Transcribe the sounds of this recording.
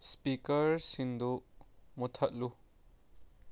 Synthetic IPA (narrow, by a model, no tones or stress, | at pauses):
spikɐɾsind̪umut̪ʰɐt̚lu